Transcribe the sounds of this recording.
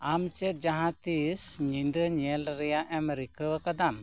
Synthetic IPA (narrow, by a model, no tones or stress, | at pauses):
amt͡ʃɛt̪̚d͡ʒaɦãt̪isɲind̪əɲɛlɾɛjaʔɛmɾikʰəwəkad̪am